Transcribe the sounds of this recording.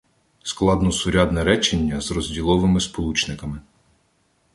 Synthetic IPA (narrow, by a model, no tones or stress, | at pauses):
sklˠɑd̪nɔsʊɾʲad̪nɛɾɛt͡ʃenʲːɐzrɔzʲdʲilˠɔʋɪmɪspɔlˠut͡ʃnɪkɐmɪ